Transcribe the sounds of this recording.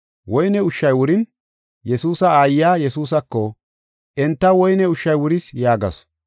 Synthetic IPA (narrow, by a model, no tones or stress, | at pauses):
wɔjnɛʊʃːɐjwʊɾɪn | jɛsuːsɐaːjːaːjɛsuːs̬ɐkːɔ | ʔɛnt̪ːɐwɔjnɛʊʃːɐjwʊɾɪsjaːɡɐ̰s